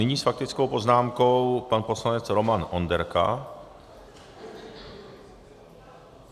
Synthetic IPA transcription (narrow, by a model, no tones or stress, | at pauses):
ɪɲiːsfak̚t̪ɪt͡sko̞wpoznaːmko̞wpanpo̞slanɛt͡sɾo̞manʔo̞ndɛɾka̰